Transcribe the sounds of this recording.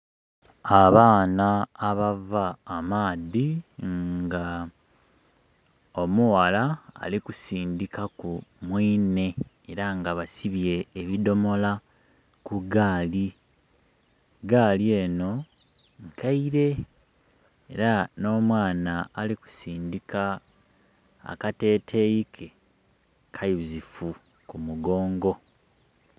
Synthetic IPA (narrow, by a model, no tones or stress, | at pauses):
aβaːnaːβavaːmaːðiŋŋɡa | o̞muwala̰ːlikusiːndikakumwiːne̞ | eɾaŋɡaβasiβje̞ːβido̞mo̞la | kuɡaːli | ɡaːlie̞ːno̞ | ŋkʰaiɾe̞ | eɾano̞ːmwaːnaːliku̥siːndika | kate̞ːtʰe̞jikʰe | kʰajuzifu | kumuɡo̞ːŋɡo̞